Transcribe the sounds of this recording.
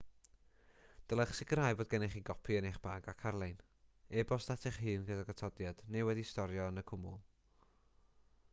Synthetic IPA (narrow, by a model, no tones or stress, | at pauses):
d̥əlˠɛχsɪɡraːjboːdɡɛnɛχiɡɔpʰiəneχb̥aːɡakʰarlˠejn | ɛbɔsdatʰɛχhɨːnɡədaɡatʰɔdjad̥newɛdistɔɾjɔənəkʰʊmʊ̰lˠ